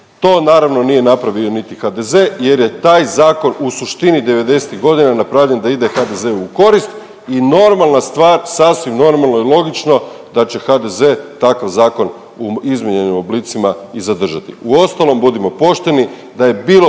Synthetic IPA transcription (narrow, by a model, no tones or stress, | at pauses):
t̪o̞ːnaːɾaʋno̞nije̞napɾaʋionit̪ixad̪e̞ze̞je̞ɾje̞t̪aːjzaːko̞nusuʃt̪inid̪e̞ʋe̞d̪e̞se̥t̪iɣɡo̞d̪inanapɾaʋʎe̞nd̪aid̪e̞xad̪e̞zeuuko̞ɾist̪ | ino̞ɾmalˠnast̪ʋaːɾsasʋimno̞ɾmalˠno̞ilˠo̞ɡit͡ʃno̞d̪at͡ɕe̞xad̪e̞ze̞t̪akaʋzaːko̞n | uizmʲjeɲe̞nimo̞blit̪simaizad̪r̩ʒat̪ḭuo̞st̪alo̞mbud̪imo̞po̞ʃt̪e̞ni | d̪aje̞biːlo